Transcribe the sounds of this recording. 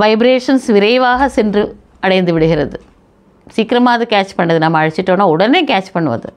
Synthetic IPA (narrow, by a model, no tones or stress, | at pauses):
ʋɐɪbɾeːʂɐnsʋɪɾɐɪʋaːɣɐsɛndrɯ | ɐɽɐɪnd̪ɯʋɪɽɯɣɪɾɐðɯ | siːkːɪɾɐmaːðɯkaːt͡ʃpɐɳːɐðɯnɐmːɐːɻɯt͡ʃːɪʈːõːnːaːɔɽɐneːkaːt͡ʃpɐɳːɯʋɐ̰ðɯ̰